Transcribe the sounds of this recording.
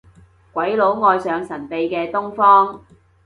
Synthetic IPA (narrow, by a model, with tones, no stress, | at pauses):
kʷɐ˨˥jlo˨˥wŋɔː˧jsœː˨˧ŋsɐ˨˩npe˨jkɛː˧t̪ʊ˥ŋfɔː˥ŋ